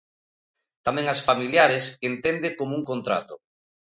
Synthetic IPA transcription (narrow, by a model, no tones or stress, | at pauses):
t̪amɛ̃ŋɐsfamiljaɾɪskent̪end̪ɪkomouŋkont̪ɾa̰t̪o